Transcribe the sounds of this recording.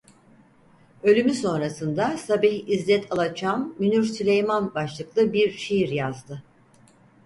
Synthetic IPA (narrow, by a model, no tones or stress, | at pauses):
ø̞lʲymyso̞nɾasɯnd̪asabiçizlʲɛt̪ʰalˠat͡ʃʰamːynyɾsilʲejmanbaʃlˠɯklˠɯbiɾʃejiɾjazd̪ɯ